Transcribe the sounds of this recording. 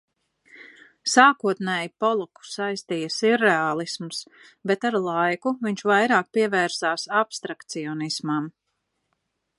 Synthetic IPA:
saːkuɔt̪nɛːjipɔlˠɔku̥sajst̪iːjɐsiɾːeaːlˠismus | bɛt̪aɾlˠajkuviɲt͡ʃvajɾaːk̚piɛvɛːɾsaːsapst̪ɾakt̪siɔnismam

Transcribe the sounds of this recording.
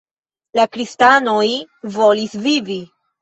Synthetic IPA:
lakɾistano̞jvo̞lisvivi

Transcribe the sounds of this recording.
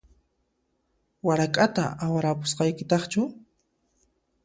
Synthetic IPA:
waɾakʼat̪a̰awaɾapʊ̥sqɑjkɪt̪ɑχt͡ʃʊ

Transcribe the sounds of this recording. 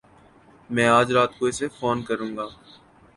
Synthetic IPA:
mɛ̃ːaːd͡ʒɾaːt̪koɪsefoːnkɐɾũːŋɡaː

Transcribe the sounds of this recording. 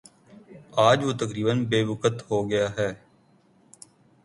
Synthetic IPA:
aːd͡ʒʋoːt̪əkɾiːbənbeːʋʊkət̪hoːɡɪjaːɦɛː

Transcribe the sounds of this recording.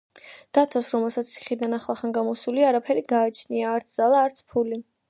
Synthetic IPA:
d̪̥at̪ʰɔsɾɔmɛlˠsat̪sʰi̥χid̪anaχlˠaχanɡamɔsuliaːɾapʰɛɾiɡaːt͡ʃʰniaːɾt̪sʰd̪zalˠaːɾt̪sʰpʰuli

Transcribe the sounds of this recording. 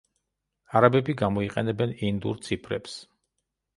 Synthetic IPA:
aɾabɛbiɡamɔiqʼɛnɛbɛnind̪ṵɾt̪sʰipʰɾɛ̰ps

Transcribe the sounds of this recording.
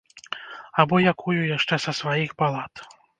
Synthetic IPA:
abɔjakʰujujaʂt͡ʂɛsɐsvajixbalˠat̪

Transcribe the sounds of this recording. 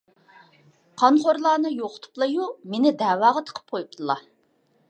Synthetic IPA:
qʰɑnχoɾlˠɑːnɨjoqʰʊ̥t̪ʰu̥plˠɑjumenɪd̪æːwɑːʁɑt̪ʰə̥qʰə̥p̚qʰojup̚t̪ʰɨlˠɑ

